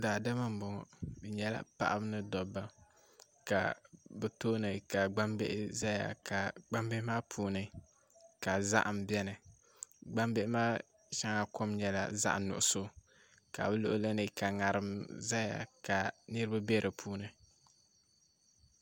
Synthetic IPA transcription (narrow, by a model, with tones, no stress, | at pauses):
daː˨da˦ma˦m̩˨bɔ˨ŋɔ̰˨bɛ˨ɲɛ˦la̰˦pa̰˦ʔa̰˦bɨ˦nɨ˦dɔ˨bːa˦ | ka̰˨bɛ˨toː˦nɨ˨ka˨ɡ͡ba˦mbḛ˦ʔɪ˦za˦ja̰˨ka˨ɡ͡ba˦mbe˦maː˦pʰuː˦nɨ˦ | ka˨za̰˦ʔa˨m̩˨bjɛ˦nɨ˨ | ɡ͡ba˦mbe˦ɪ˦maː˦ | ʃa˦ŋa˨kʊ˦mɲɛ˨la̰˦za̰˦ʔnʊ̰˨ʔʊ˨so˦ | ka̰˨bɛ˦lo˦ʔo˦la˦nɨ˨ka˨ŋa˨ɾɨ˨mza˦ja̰˨ka˨nɨ˦ɾba˦bɛ˦ɾɨ˨pʰuː˦nɨ˨